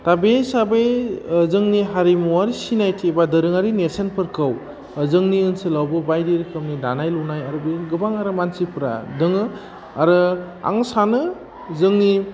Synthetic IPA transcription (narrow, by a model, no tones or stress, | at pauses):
tabesabejzɯŋniɦaɾimuwaɾisinajtʰibadɯɾɯŋaɾinesenpʰɯɾkʰɯw | zɯŋniɯnsɯlawbɯbajdiɾkʰɯmnidanajlunajaɾɯbeɡɯbaŋaɾɯmansipʰɾa̰dɯŋɯ | aɾɯ | a̰ŋsanɯ | zɯŋni